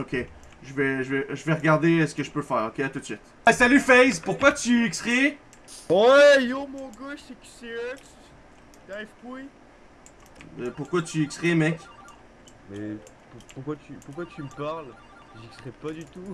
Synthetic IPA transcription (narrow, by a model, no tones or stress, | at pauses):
okʲe | ʒəvɛʒəvɛʒəvɛʁəɡaʁd̪esə̥kəʒəpøfɛːʁokʲeat̪ut̪sɥit̪ | salyfɛjzpuʁkwat̪yɛkst̪χi | wɛjomɔ̃ɡoʃeky̥seɛks | d̪afkui | ɛpuʁkwat̪yɛksχimɛkʲ | mɛ | pupuʁkwat̪ypuʁkwat̪ʰympaʁl | ʒikst̪χipad̪yt̪u